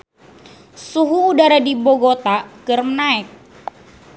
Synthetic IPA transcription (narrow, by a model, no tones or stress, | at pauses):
suɦuːdaɾadiboɡot̪akɨrmənaɪk̚